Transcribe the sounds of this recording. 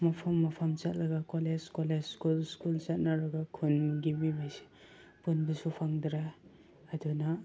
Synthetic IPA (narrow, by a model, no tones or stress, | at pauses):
mapʰamːapʰamt͡ʃat̚laɡakɔlezkɔlezskulskult͡ʃat̚naɾaɡakʰunmuɡimibajse̥ | punbisupʰaŋd̪ɾaː | duna